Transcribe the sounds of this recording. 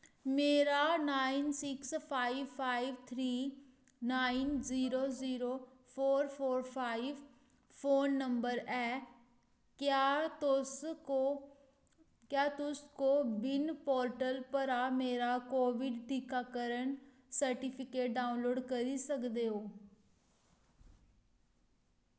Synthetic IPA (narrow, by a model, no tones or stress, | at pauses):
meːɾaːnaːinsɪkspʰaːiʋpʰaːiʋt̪ʰɾiː | naːinziːɾoːziːɾoː | pʰoːɾpʰoːɾpʰaːiʋ | pʰoːnːəmbəɾɛː | kas | kjaːt̪ʊskoːbɪnpoːɾʈəlpəɾaːmeːɾaːkoːʋɪɖʈiːkaːkəɾən | səɾʈiːpʰɪkeːʈ̚ɖaːʊnloːɖkəɾiːsəkd̪eːɦoː